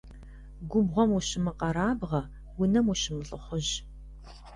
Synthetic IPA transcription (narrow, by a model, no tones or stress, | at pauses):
ɡʷʊbʁʷɔmuɕɪmɨqɐɾaːbʁɐ | wʊnɐmuɕɪmɨɬʼɨχʷʊʑ